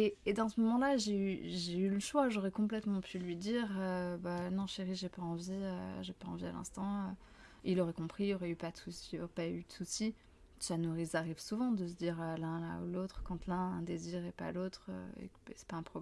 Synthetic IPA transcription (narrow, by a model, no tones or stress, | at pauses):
eːd̪ɑ̃səmɔmɑ̃laʒeyʒeyləʃwaʒɔʁɛkɔ̃plɛt̪mɑ̃pʰylɥid̪iʁøbanɔ̃ʃeʁiʒepaɑ̃viø̰ʒepaɑ̃via̰lɛ̰̃st̪ɑ̃ø | ilɔʁɛkɔ̃pχiiljɔʁɛypad̪əsusijɔʁɛpayd̪əsusi | sanuʁizaʁivsuvɑ̃d̪əsəd̪iʁølɛ̃la̰ṵlot̪χkɑ̃t̪lɛ̃ɛ̃d̪eziʁepa̰lot̪χø̰ḛksɛ̥paɛ̃pχɔb